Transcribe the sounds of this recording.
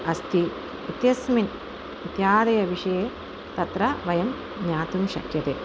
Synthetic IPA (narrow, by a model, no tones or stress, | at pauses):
ɐst̪i | ut̪jɐsmin | it̪jaːd̪ɐjɐʋiʂɐjeː | t̪ɐt̪ɾɐʋɐjɐm | ɲaːt̪umʃɐ̰kjɐt̪eː